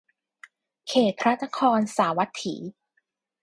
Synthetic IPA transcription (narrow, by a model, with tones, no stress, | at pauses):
kʰeː˨˩t̪̚pʰɾa˦˥t̪̚na˦˥kʰɔː˧nsaː˩˦wa˦˥t̪ʰːiː˩˦